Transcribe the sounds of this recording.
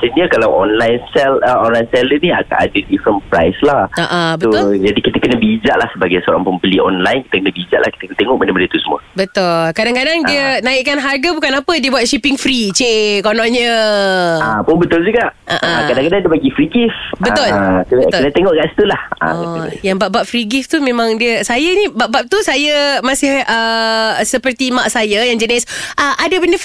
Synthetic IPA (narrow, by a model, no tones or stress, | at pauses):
səniakalawʔɔnlajnsɛləɔnlajnsɛləniaka̰ʔa̰dədifɾənpɾa̰jslahaʔabəod͡ʒadikit̪əkənəbəːd͡ʒaʔlahsəbaɡajsəoɾa̰ŋpəmbəliɔ̰nlajnkit̪əkənəbəid͡ʒa̰ʔlahki̥t̪əkt̪eŋɔʔmanəmədət̪usəmũəbət̪ʊlkadaŋkadaŋdiənaiʔkːanɦarɡəbukanapədibuat̪̚ʃipiŋfɾit͡ʃekonɔ̃ɲə | apʊnbət̪ʊld͡ʒuɡaʔʔaʔãkadaŋkadaŋdiəbaɡifɾiɡifbət̪ʊlkk̪t̪inət̪eŋɔʔkaʔsi̥t̪ulaha̰ɔjaŋbaʔbaʔ̚fɾiɡift̪umẽmãŋdiəsajənĩbaʔbap̚t̪usajəmasɪhəsəpərt̪imaʔsajajaŋd͡ʒənɛsʔəʔadabəndə